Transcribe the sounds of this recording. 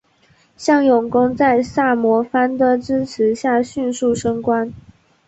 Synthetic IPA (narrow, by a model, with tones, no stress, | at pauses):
ɕjɑ˥˩ŋjʊ˨˩ŋkʊ˥ŋt͡sa˥˧ɪsa˥˩mwɔ˧˥fa˥nd̪ə˧˨ʈ͡ʂɻ̩˥t͡sʰɻ̩˧˥ɕja˥˩ɕy˥˧nsu˥˩ʂɤ˥ŋkwa˥n